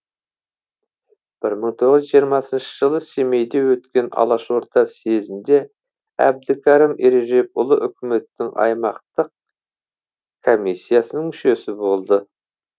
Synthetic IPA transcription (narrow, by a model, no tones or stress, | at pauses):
b̥ɪɾməɴt̪ʰo̞ʁəzʒijəɾmɑsənʃəʒəlˠəse̞me̞jd̪e̞wɵt̪kʲe̞nɑ̰lˠɑʃo̞ɾt̪ʰɑse̞zɪnd̪e̞ | æ̰b̚d̪ɪkʲʰɑɾimeɾeʒe̞k̚ʊlˠəʔʏkʲʰɪme̞t̪ːɪŋʔɑ̰jmɑqt̪əq̚ | kʰo̞misʲːijasənəɴmʏʃe̞sɪbo̞lˠd̪ə